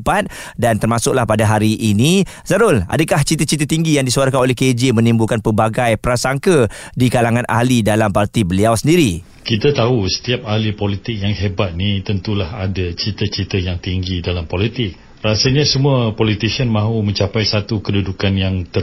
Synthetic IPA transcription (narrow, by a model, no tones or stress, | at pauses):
pat̪̚ | dant̪ərmasʊk̚lahpadaɦaɾiʔːnĩ | zaɾʊla̰dəkaht͡ʃit̪ət͡ʃit̪̬ət̪iŋɡijaŋdisuaɾkanolɛhked͡ʒemə̃nimbulkanpəbaɡajpəɾasaŋkə | dikalaŋãnʔa̰ɦlidalampart̪ibəliawsəndiɾi | kit̪at̪ausə̥t̪iap̚ahlipolit̪ɪk̚jaŋɦebat̪̚nit̪ənt̪ulahadat͡ʃit̪ət͡ʃit̪əjaŋt̪iŋɡidalampolit̪ɪk̚ | rasaɲasəmuapɔlit̪isənmãɦumə̃ɲt͡ʃapajsat̪ukədudukanjaŋt̪ə